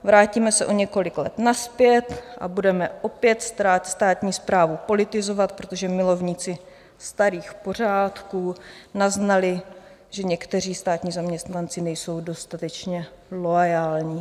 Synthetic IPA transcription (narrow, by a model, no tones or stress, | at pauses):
vɾaːciːmɛsɛʔo̞ɲɛko̞lɪklɛ̰t̪naspjɛt̪ʔa̰budɛmɛʔo̞pjɛt̪st̪ɾaːt̪st̪aːt̪ɲiːspɾaːvupo̞lɪt̪ɪzo̞vat̪pɾot̪o̞ʒɛmɪlo̞vɲit͡sɪ | st̪aɾiːxpo̞r̝aːt̪kuːnaznalɪ | ʒ̥ɛɲɛkt̪ɛr̝iːst̪aːt̪ɲiːzamɲɛst̪nant͡sɪnɛjso̞wdo̞st̪at̪ɛt͡ʃɲɛlo̞ajaːlɲiː